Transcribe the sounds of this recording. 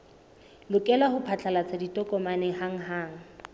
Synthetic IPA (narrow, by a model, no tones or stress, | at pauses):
lʊkʼɛlahʊpʰat͡ɬʰʼalat͡sʰaditʼɔkʼɔmanɛhaŋ̩ɦaːŋ̩